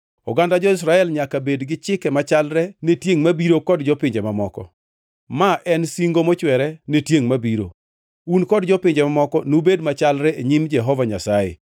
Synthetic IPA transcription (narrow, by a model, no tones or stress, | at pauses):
ɔɡandad͡ʒɔɪs̬ɾaɛlɲakabedɡɪt͡ʃɪkɛmat͡ʃalɾɛnetjeŋmabiɾokɔdd͡ʒɔpɪɲd͡ʒɛmamɔkɔ̰ | maʔɛnsiŋɡomɔt͡ʃwɛɾɛnetjeŋmabiɾo̰ | unkɔdd͡ʒɔpɪɲd͡ʒɛmamɔkɔnubedmat͡ʃalɾɛʔeɲimd͡ʒɛɦɔvaɲasaḛ